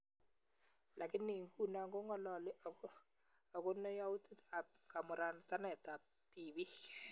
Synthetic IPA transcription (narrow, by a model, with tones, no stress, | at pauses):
lʔa˨kɪ˦nːi˨ŋ˦ku˦na˨ŋɡo˦ŋɡɔ˦lɔ˨lɪ˦a˨˦ | a˨kʊ˦nɔ˦ja˦wu˦ti˦ta˨p̚ka˨mʊ˨ɾa˨n˨ta˦nɛ˨ta˨p̚ti˨bi˦